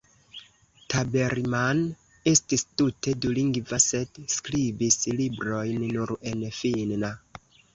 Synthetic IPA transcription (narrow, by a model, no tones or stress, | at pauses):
tabe̞ɾman | e̞stistute̞duliŋɡvase̞dskɾibislibɾo̞jnːuɾe̞nfinna